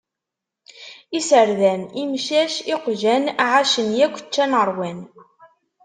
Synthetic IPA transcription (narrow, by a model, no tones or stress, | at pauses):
isəɾðænimʃæʃiqʒænʕaʃənjækʷːə̥t͡ʃːænəɾˤwæn